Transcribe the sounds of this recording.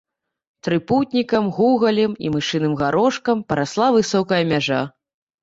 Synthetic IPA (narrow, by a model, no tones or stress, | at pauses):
t̪ɾɨput̪̚ʲnʲikɐmɣuɣɐlʲɛmḭmɨʂɨnɨmɣaɾɔʂkɐmpɐɾaslˠavɨsɔkɐjɐmʲaʐa